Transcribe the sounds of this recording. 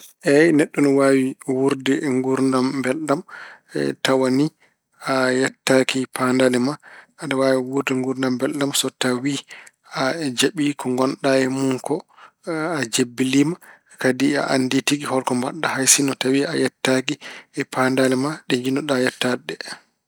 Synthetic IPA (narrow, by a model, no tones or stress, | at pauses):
ʔɛnɛɗːɔnɔwawiwuɾdɛŋɡuɾndambɛlɗamɛ̰tawani | ajatːakipandalɛmaadawawiwuɾdɛŋɡuɾndambɛlɗamsɔtawi | ad͡ʒeɓikʰɔŋɡɔnɗaɛmuŋkɔ | ad͡ʒebːilima | kadia̰ʔanditiɡihɔlkɔmbaɗːahajsinɔtawiajatːak̬iɛpʰandalɛmaɗɛɲd͡ʒinɔɗajatːaɗɛ